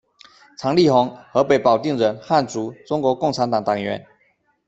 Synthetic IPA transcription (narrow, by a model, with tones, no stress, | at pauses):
t͡sʰɑ˧˥ŋli˥˩xʊ˧˥ŋxɤ˧˦˥pe˨˩˦ɪpɑ˨˩ʊt̪i˥˩ŋɻə˧˥nxa˥˩nt͡su˧˥ʈ͡ʂʊ˥ŋkwɔ˧˥˦kʊ˥˩ŋt͡sʰa˧˥nt̪ɑ˨˩ŋt̪ɑ˨˩ŋɥɛ̰˧˦n